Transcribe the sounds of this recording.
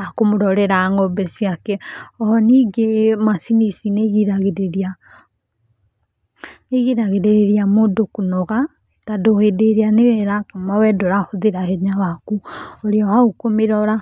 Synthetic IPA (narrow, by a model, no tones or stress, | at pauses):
akomoɾɔɾɛɾaːŋɔbɛsiakɛɔhɔniːɡemasinisineɣiɾaɣeɾeɾia | neɣiɾaɣeɾeɾeɾiamodokonɔɣa | etadohedeɾeaneɣɛɾakamawɛdɔɾahoðeɾahɛɲawakuoɾeɔhaukomeɾɔɾa